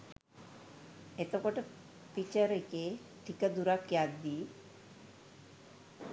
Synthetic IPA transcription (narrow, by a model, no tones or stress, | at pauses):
et̪okoʈə | pit͡ɕəɾekeʈʰikad̪uɾakjad̪ːi